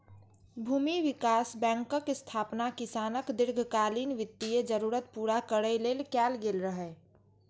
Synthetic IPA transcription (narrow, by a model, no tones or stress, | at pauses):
bʱuːmiʋɪkaːsbɛ̃ːŋkəkɪst̪ʰaːpnakɪsaːnəkd̪ɪɾɡʱkaːliːnʋɪt̪ːijed͡ʒəɾuːɾət̪̚puːɾakəɽəileːlkɛːlɡeːlɾəɦɛ